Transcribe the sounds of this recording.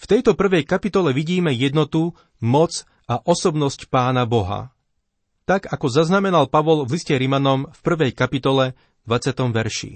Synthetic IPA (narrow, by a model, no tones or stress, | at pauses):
ft̪ɛjt̪ɔpr̩ʋɛjkapit̪ɔlɛʋiɟiːmɛjɛd̪nɔt̪u | mɔt͡s | aʔɔsɔbnɔscpaːnabɔɦa̰ | t̪aɡakɔzaznamɛnalpaʋɔlvliscɛɾimanɔmfpr̩ʋɛjkapit̪ɔlɛ | d̪ʋat͡sɪat̪ɔmʋɛɾʃḭ